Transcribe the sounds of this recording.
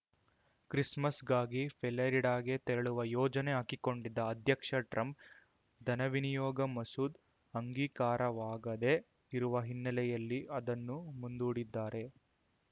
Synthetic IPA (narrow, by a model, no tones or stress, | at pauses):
kɾismɐsɡaːɡifɛlɐɾiɽaːɡet̪eɾɐɭuʋɐjɔːd͡ʒɐneɦakiko̞ɳɖid̪ːɐːd̪ʱjɐkʂɐʈɾʔɐmp̚ | d̪ʱɐnɐʋinijɔːɡɐmɐsuːd̪ | ɐŋɡiːkaːɾɐʋaːɡɐd̪e̞ | iɾuʋɐɦinːɐlɛjɐlːiʔɐd̪ɐnːumund̪uːɽid̪ːaːɾe̞